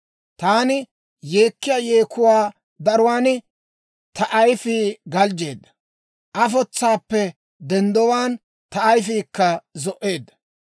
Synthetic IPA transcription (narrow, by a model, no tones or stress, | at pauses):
t̪aːnɪ | je̞ːkːɪjajeːkʰːʊwaː | d̪ɐɾʊwaːnɪ | t̪ɐʔɐjfiːɡɐld͡ʒe̞ːd̪ːɐ̥ | ʔɐfɔt͡sːaːpːɛ | d̪ɛnd̪ɔwaːn | t̪ɐɐjfiːkːɐzɔʔe̞ːd̪ːɐ̥